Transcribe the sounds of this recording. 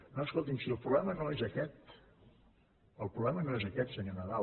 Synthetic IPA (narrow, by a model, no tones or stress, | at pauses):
noəskolˠt̪̬imsiəlˠpɾuβlɛmənoezəkɛt̪̚ | əlˠpɾuβlɛmənoezəkɛt̪səɲonəða